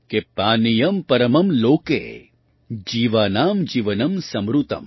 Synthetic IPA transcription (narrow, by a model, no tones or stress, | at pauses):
kepaːnijɐmpɐɾɐmɐmloːkḛː | d͡ʒiːʋaːnaːmd͡ʒiːʋɐnɐmsɐmɾut̪ɐ̰m